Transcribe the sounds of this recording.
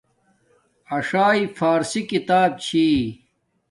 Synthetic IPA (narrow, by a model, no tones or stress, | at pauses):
ɐʂaːifaːɾsikit̪aːb̚t͡ɕʰiː